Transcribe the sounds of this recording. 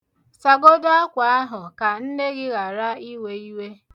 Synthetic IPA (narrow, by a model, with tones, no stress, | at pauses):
sa˨ɡo˦da˦a˦kʷa˨a˦ɦʊ˨ka˨n̩˦ne˦ɡɪ˦ɣa˨ɾa˦i˦we˦i˦we˦